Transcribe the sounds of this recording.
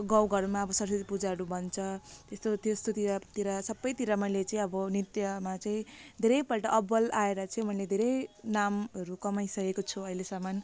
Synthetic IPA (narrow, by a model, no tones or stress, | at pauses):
ɡãwɡʌɾmaʌbʌsʌɾsʌd̪ipud͡zaɦʌɾubʱʌnt͡sʰʌt̪est̪ot̪est̪ot̪iɾat̪iɾasʌbːʌjt̪iɾamʌjlet͡saĩʌbʌnit̪jʌmat͡saĩd̪ʱeɾʌjpʌlʈʌʔʌbʌlaeɾʌt͡saĩmʌiled̪ʱeɾʌjnamʌɾukʌmajsʌkekot͡sʰuʌilesaman